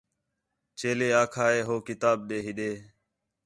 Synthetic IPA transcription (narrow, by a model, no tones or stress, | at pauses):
t͡ʃeːleːaːkʰaːeːɦoːkɪt̪aːb̚ɗ̪eːɦɪɗ̪eː